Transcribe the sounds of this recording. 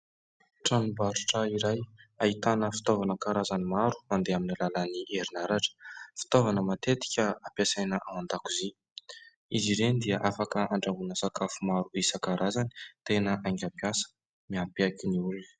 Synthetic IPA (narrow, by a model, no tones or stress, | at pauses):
ʈ͡ʂanubaɾuʈ͡ʂəiɾajait̪anəfi̥t̪ovanəkaɾazanimaɾu̥mand̪eaminilalaniʔeɾinaɾaʈ͡ʂə̥fi̥t̪ovanəmat̪et̪i̥kʲəapasajnəʔawand̪akuzi | iziɾend̪iaʔafakəaɳɖ͡ʐamunəsakafumaɾuisəkaɾazani̥t̪enəʔaŋɡʲapiasə̥ | miapiakʲiniulun